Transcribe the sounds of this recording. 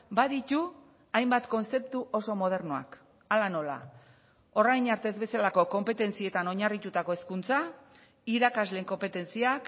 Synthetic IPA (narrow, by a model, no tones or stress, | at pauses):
baðit̪u | ajmbat̪ko̞nse̞p̚t̪uʔo̞so̞mo̞ð̞e̞ɾnoa̰k | alano̞la̰ | o̞rajɲaɾt̪e̞zβe̞salako̞ko̞mpe̞t̪e̞nt͡sie̞t̪ano̞ɲarit̪ut̪ako̞eskunt͡sa | iɾakazle̞ŋko̞mpe̞t̪e̞nt͡siak